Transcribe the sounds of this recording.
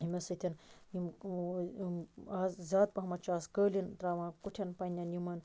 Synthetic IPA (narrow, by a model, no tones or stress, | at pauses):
ɦimʲɐsɐt̪ʲʰinim | aːzzaːd̪̚pɐɦɐmɐtt͡ʃaːskəːlʲint̪ɾaːʋãːkuʈʰɐnpɐnʲɐnjimɐn